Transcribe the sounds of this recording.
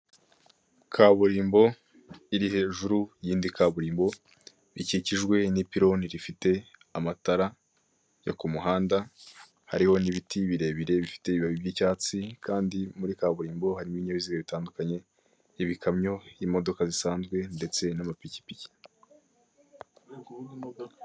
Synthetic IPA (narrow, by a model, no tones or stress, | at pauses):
kʰaβuɾiːmbo̞ | iɾihe̞ʒuɾujiːndikaβuɾiːmbo̞ | βiciciʒɡwe̞nipiɾo̞niɾifite̞ | amataɾa | jo̰kumuɦaːnda | ha̰ɾiho̞niβitiβiɾe̞βiɾe̞βifi̥te̞iβiβaβibjiːcaːt͡sikʰaːndimuɾikaːβuɾiːmbo̞haɾimuβiɲaβiziɡaβitaːndukaɲe̞ | iβikʰamɲo̞jiːmo̞do̞kazisaːnzɡwe̞nde̞t͡se̞namapici̥pici̥